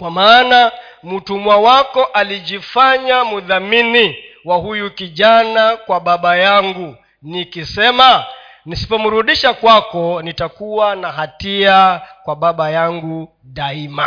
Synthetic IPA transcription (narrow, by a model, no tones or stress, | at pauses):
kwamaːna | mutumwawakɔʔaliʄifaɲamuðamini | wahujukiʄanakwaɓaɓajaŋɡu | nikisɛma | nisi̥pɔmuɾuɗiʃakwakɔnitakuwanaɦatiakwaɓaɓajaŋɡu | ɗaima